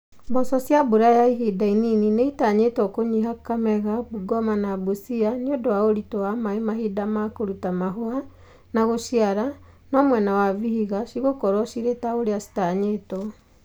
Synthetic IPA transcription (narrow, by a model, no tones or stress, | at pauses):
mbɔsɔsjabuɾajaiɦidaininineitaɲetɔkoɲiɦakamɛɣabuɡɔmanabusianeodɔwaoɾitɔwamaemaɦidamakoɾutamaɦoa | naɣoʃiaɾa | nɔmwɛnawavihiɣasiɣokɔɾwɔʃiɾetaoɾeasi̥taɲeːtɔ